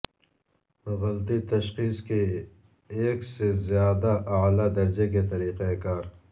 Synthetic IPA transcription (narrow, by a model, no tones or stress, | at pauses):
ɣɐlt̪it̪ɐʃqiːske | eːksezjaːd̪aʔːlad̪ɐɾd͡ʒek̬et̪ɐɾiːqekaːɾ